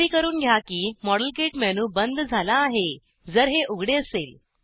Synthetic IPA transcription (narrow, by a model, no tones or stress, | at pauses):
iːkəɾuːnɡʱjakiːmɔɽəlkeʈmɛñuːbənd̪ʱd͡zʱalaːɦe | d͡zəɾɦeʔuɡʱɽeəsel